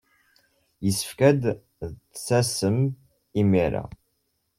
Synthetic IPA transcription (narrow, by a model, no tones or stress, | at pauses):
jəsə̥fkæd̪ | sæsəm | imiɾa̰